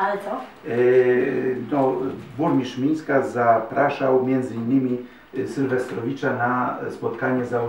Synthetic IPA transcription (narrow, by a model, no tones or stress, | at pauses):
alɛsɔ | nɔbuɾmʲiʂmʲinskazapɾaʂawmʲjɛnd̪zɘinːɘmʲi | sʲɘlvɛst̪ɾɔvʲit͡ʂanaspɔt̪kaɲɛza